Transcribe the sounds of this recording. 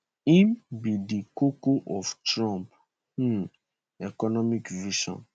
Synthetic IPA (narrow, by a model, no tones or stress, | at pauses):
ĩmbidikokoʔɔftɾɔ̃mp̩ | ɛkɔnɔmikviʃɔ̰̃n